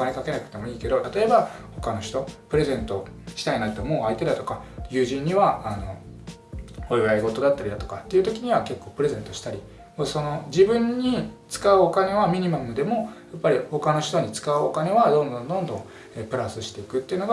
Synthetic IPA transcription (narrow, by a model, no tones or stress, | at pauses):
okane̞kake̞nakɯ̟t̪emo̞iːke̞d̪o̞t̪at̪o̞e̞baho̞kano̞ɕi̥t̪o̞pɯ̟ɾe̞zẽ̞nt̪o̞ | ɕi̥t̪ainat̪ːomo̞ːait̪e̞d̪at̪o̞kajɯ̟ːʑĩɲ̟ːiβaːno̞̰ | ojβaiɡo̞t̪o̞d̪at̪ːaɾʲid̪at̪o̞kat̪ːe̞iɯ̟t̪o̞kʲiɲ̟iβake̞kːo̞ːpɯ̟ɾe̞zẽ̞nt̪o̞ɕi̥t̪aɾʲi | moso̞no̞d͡ʑibɯ̟̃ɲ̟ːit͡sɨ̥kaɯokane̞βamʲiɲ̟imamɯ̟d̪e̞mo̞japːaɾʲiho̞kano̞ɕi̥t̪o̞ɲ̟it͡sɨ̥kaɯokane̞βad̪õnd̪õ̞nd̪õ̞nd̪õ̞ŋ̃ | eːpɯ̟ɾasɨɕi̥t̪e̞ikɯ̟t̪ːeiɯ̟no̞ɡa